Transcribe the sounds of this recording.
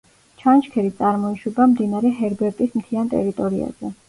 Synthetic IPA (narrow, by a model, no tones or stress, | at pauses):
t͡ʃʰant͡ʃkʰɛɾit̪sʼaɾmɔiʃwɛbamd̪inaɾɛɦɛɾbɛɾt̪ʼismt̪ʰiant̪ʼɛ̰ɾit̪ʼɔɾia̰z̥ɛ